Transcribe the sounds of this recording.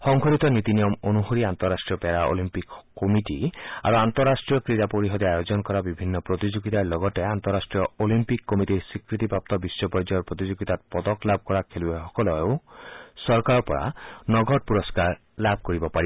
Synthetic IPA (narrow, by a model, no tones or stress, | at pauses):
xɔŋɡʱɔɾit̪ɔnit̪inijɔmonuɦoɾiant̪ɔɾːasʈɾijɔpeɾaʔo̰limpikkːomiʈia̰ɾuant̪ɔɾːasʈɾijɔkɾiɾapoɾiɦɔd̪eajod͡ʒɔnkɔɾabibʱinːɔpɾot̪id͡ʒuɡit̪alɔɡɔʈeant̪ɔɾasʈɾijɔolimpikːɔmitiɾsikɾit̪ipɾap̚t̪ɔbisːɔpɔɾd͡ʒɔɾpɾɔt̪id͡ʒuɡit̪at̪̚pɔd̪ɔklab̚ʱkɔɾakʰelueɔkɔlɔeosɔɾkaɾɔpɔɾa̰nɔɡɔʈ̚puɾɔskaɾ | labʱkoɾibɔpaɾib